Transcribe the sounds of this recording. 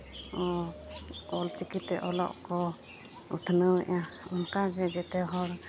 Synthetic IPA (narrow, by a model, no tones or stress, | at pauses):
ɔ | ɔlt͡ʃikit̪ɛʔɔlɔ̰ʔkɔ | ut̪ʰnəwɛʔaunkaɡɛd͡ʒɛt̪ɛɦɔɾ